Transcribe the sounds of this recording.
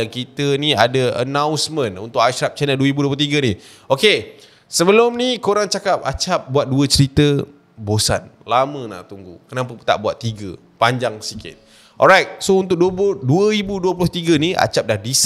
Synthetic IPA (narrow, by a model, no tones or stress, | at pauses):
akit̪əniadəə̰nãwnsmə̃nṵnt̪ʊkaʃɾap̚t͡ʃɛnəlduəibuduəp̬lt̪iɡəni | oke | səbəlʊmnikoɾaŋt͡ʃakap̚a̰t͡ʃap̚buat̪̚duət͡ʃəɾit̪ə | bosa̰nlamə̃na̰ʔt̪uŋɡṵkənapət̪a̰ʔbuat̪ːiɡə | paɲd͡ʒaŋsikɪ̰t̪̚ | ʔɔ̰lɾajt̚sount̪̬ʊk̚duəpʊduəibuduəpulʊht̪iɡəniʔa̰t͡ʃap̚dahdis